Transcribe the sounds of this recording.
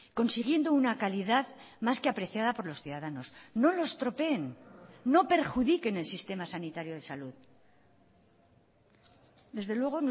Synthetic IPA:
ko̞nsiɣje̞nd̪o̞unakaliðað | maske̞apɾe̞θjað̞apo̞ɾlo̞sθjuðaðano̞sno̞lo̞st̪ɾo̞pe̞ːnːo̞pe̞ɾxuðike̞ne̞lsist̪e̞masanit̪aɾjo̞ð̞e̞saluð | d̪e̞zðe̞lwe̞ɣ̞o̞n

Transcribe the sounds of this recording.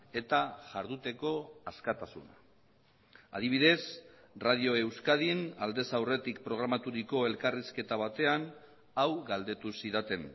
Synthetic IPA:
e̞t̪aʝaɾðut̪e̞ko̞askat̪asṵna̰ | a̰ðiβ̞iðe̞s | rað̞io̞e̞wskaðinald̪e̞sawre̞t̪ik̚pɾo̞ɣ̞ɾamat̪uɾiko̞e̞lkariske̞t̪aβ̞at̪e̞an | awɣald̪e̞t̪usiðat̪e̞n

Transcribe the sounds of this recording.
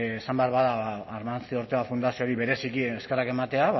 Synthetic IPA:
esambeaɾβaðaːɾmant͡sioɾt̪eafund̪asio̞ɾiβe̞ɾe̞sikieske̞rake̞mat̪e̞a

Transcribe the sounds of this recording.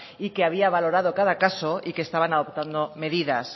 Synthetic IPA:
ike̞aβ̞iaβ̞alo̞ɾað̞o̞kaðakaso̞ike̞st̪aβ̞anaðo̞pt̪and̪ome̞ðiða̰s

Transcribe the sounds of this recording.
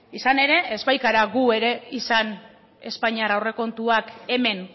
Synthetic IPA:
isane̞ɾe̞ezβajkaɾaɣue̞ɾe̞isan | e̞spaɲiarawre̞ko̞nt̪uake̞me̞n

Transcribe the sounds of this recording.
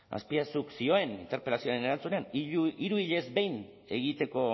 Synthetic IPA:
a̰spiasuksio̞e̞nḭnt̪e̞ɾpe̞lasio̞aɾene̞ɾant͡suneaniɾuiʎe̞zbe̞jn | e̞ɣit̪e̞ko̞

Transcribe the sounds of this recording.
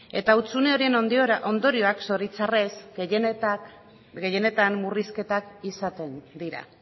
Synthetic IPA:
e̞̰t̪aut͡sune̞o̞ɾie̞nod̪oʔond̪o̞ɾio̞akso̞ɾit͡sare̞s | ɡe̞je̞ne̞t̪anːuriske̞t̪akisat̪e̞nd̪iɾa̰

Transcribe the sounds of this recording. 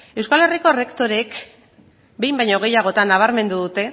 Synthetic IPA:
e̞wskale̞riko̞re̞kt̪o̞ɾe̞k | be̞jmbajɲo̞ɣ̞e̞jaɣ̞o̞t̪anːaβ̞aɾme̞nd̪uðut̪e̞

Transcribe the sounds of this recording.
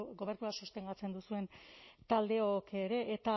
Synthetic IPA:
ɡo̞βe̞ɾnuasust̪e̞ŋɡat͡se̞nd̪usue̞nt̪ald̪e̞okeɾe̞ʔet̪a

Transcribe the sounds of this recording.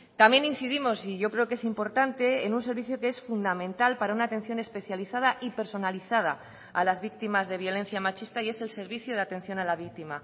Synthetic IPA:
t̪amje̞nin̟θiðimo̞siʝo̞kɾe̞oke̞simpo̞ɾt̪ant̪e̞ːnuns̬e̞ɾβiθjokeesfund̪amẽnt̪alpaɾaunaːt̪e̞n̟θjo̞ne̞spe̞θjaliθað̞aʔipe̞ɾso̞naliθað̞a̰ | alazβik̚t̪imazðe̞β̞jo̞le̞n̟θjamat͡ʃist̪aie̞se̞lse̞ɾβiθjoð̞eat̪ẽ̞n̟θjo̞nalaβik̚t̪ima

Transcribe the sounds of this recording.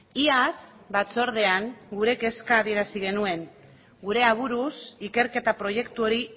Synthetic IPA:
iasbat͡so̞ɾð̞e̞aŋɡuɾe̞ke̞skaːðie̞ɾasiɣ̞e̞nue̞ŋ | ɡuɾe̞aβ̞uɾusike̞ɾke̞t̪apɾo̞je̞kt̪uo̞ɾi

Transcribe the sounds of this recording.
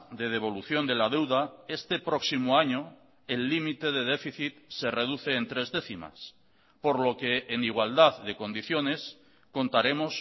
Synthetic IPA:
ðe̞ð̞e̞β̞o̞luθjo̞nd̪e̞lað̞e̞wðae̞st̪e̞pɾoksimoaɲo | elːimit̪e̞ð̞eðefiθit̪sere̞ð̞uθe̞ːnt̪ɾe̞zðe̞θima̰s | po̞ɾlo̞ke̞ʔːniɣwald̪aððe̞ko̞nd̪iθjo̞ne̞s | ko̞nt̪aɾe̞mos

